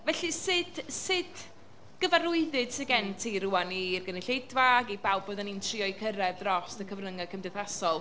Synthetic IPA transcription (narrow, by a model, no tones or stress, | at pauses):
vɛɬisɨd̥sɨd | ɡ̥əvaɾʊɨðɨd̥sɪɡɛntʰiɾuanirɡənɪɬejdvaɡibawbɔdanintʰriɔjkʰəɾɛvdrɔstəkʰəvrəŋakʰəmdɛθasɔlˠ